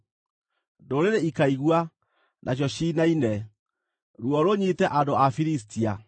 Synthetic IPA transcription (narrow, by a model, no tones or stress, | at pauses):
ndoɾeɾeikaiɣwa | nʔaɕ̬jɔɕinainɛ | ɾwɔɾoɲitɛʔandoafiɾis̬tia